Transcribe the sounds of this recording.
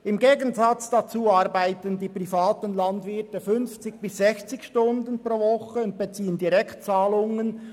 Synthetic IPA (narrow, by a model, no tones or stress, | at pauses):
ɪmɡeːɡənzɑt͡sd̥at͡suːɑɾbaɪtəndiːpʁifaːtənlɑndvɪtəfʏnft͡sɪç̚b̥ɪszɛçt͡sɪçʃtʊndənpʁ̥oːvɔχəʊnt̚b̥et͡siːəndiɾɛktt͡saːlʊŋən